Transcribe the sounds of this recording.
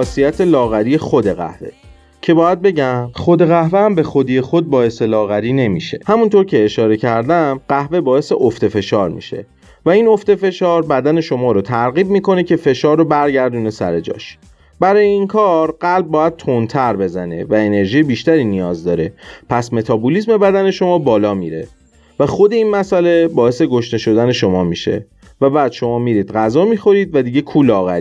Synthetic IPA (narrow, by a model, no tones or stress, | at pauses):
hɒːsijæt̪ʰe̞lɒːɣæɾije̞xod̪eɣæ̰hve̞̰ | cʰe̞bɒːjæd̪̚be̞ɟæmχod̪e̞ɣæhveæmbe̞xod̪iːjexo̞d̪̚bɒːe̞se̞lɒːɣæɾiːne̞miʃe̞̰hæmunt̪ʰoɾcʰe̞ːʃɒːɾe̞cʰæɾd̪æmɢæhve̞bɒːe̞se̞ʔoft̪efe̞ʃɒːɾmḭːʃe̞̰ | væino̞ft̪e̞fe̞ʃɒːɾbæd̪æne̞ʃo̞mɒːɾot̪ʰæɾɣiːb̚miːko̞ne̞cʰe̞fe̞ʃɒːɾːobæɾɟæɾd̪une̞sæ̰ɾe̞d͡ʒɒ̰ːʃ | bæɾɒːjeiŋkʰɒːɾɢælb̚ːɒːjæd̪̚t̪ʰont̪ʰæɾbe̞zæne̞̰væene̞ɾʒiːjebiːʃt̪æɾiːnijɒːzd̪ɒːɾe̞pʰæsme̞t̪ʰɒːbulisme̞bæd̪æne̞ʃo̞mɒːbɒːlɒːmḭːɾḛ | væxod̪e̞iːnmæsæle̞bɒːe̞se̞ɡo̞ʃne̞ʃo̞d̪æne̞ʃo̞mɒːmiːʃe̞̰ | væbæːd̪̥ʃo̞mɒːmiːɾiːd̪ɢæzɒːmiːxo̞ɾiːd̪væd̪iːɟe̞kʰuːlɒːɣæ̰ɾi